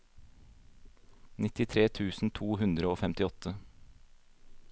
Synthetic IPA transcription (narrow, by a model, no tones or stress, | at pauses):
nɪt̪ɪt̪ʰɾeːt̪ʰʉːsn̩t̪ʰuːhʉnd̪ɾəoːfɛmt̪ɪɔt̪ʰə